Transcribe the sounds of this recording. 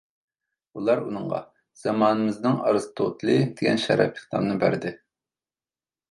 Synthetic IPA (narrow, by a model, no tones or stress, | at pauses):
ulˠɑɾunɨŋʁɑ̰ | z̥ɑmɑːnɨmɨznɨŋɑ̰ɾɨzɨt̪ʰot̪lˠɨd̪̥ɪɡʲɛ̰nʃɛ̰ɾɑ̰pʰə̥χlˠɑ̰mnɨbæɾd̪ɪ